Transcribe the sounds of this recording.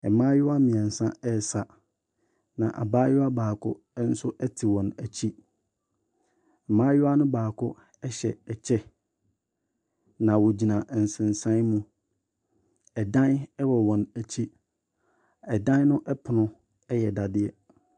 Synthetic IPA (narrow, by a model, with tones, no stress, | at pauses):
ɛ˨mã˦jʊ˦a˦mĩ˨ã˨n̩˨sã˦ɛ˦˨sa˨ | nã˨ʔa̰˨baː˦jʊ˦a˦baː˨kʰʊ˦ | n̩˦sʊ˦ʔɛ˦tʰi˨wɔ̃˨næ˨t͡ɕʰi˦˨ | mãː˦jʊ˦a˦nʊ̃˦baː˨kʰʊ˦ | ɛ˦ɕɛ̰˨ɛ˨t͡ɕʰɛ˦ | nã˨wɔ˨d͡ʑi˨nã˨n̩˨sɪ̃˨n˨sã˦mũ˦ | ɛ˨dã˦nɛ˦wɔ˨wɔ̃˨næ˨t͡ɕʰi˦ | ɛ˨dã˦n˦nʊ̃˦ʔɛ˦pʰʊ˨nʊ̃˦ | ɛ˦jɛ˨da˨dɪ˦ɛ˦